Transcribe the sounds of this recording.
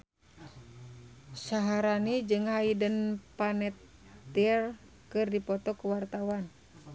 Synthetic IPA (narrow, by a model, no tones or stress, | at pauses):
saɦaɾanid͡ʒɨŋhaidənpanɛt̪ː | iɛr | kɨrdipɔt̪ɔkəwart̪awan